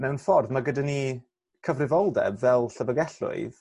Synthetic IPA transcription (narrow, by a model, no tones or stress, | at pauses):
mɛwnfɔrðmaɡədani | kʰəvrɪvɔlˠdɛ̰bvɛlˠɬəvəɡɛɬʊ̰ɨð